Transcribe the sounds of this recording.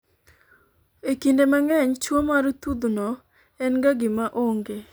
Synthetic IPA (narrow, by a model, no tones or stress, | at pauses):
ekindemaŋɛɲt͡ʃwomaɾut̪ud̪nɔ | ɛnɡaɡɪmaʔoŋɡe